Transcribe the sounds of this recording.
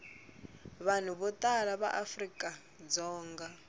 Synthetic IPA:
βan̤uβɔtʼalaβa̰ʔafrikʼa | d͡zɔːŋɡa

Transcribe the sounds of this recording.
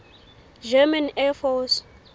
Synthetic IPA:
d͡ʒɛmanɛfɔs

